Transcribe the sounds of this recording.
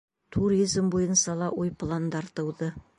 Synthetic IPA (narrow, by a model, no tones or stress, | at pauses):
t̪ʰuɾizmbojənsɑlˠɑwʔojpʰlˠand̪ɑɾt̪əwd̪ə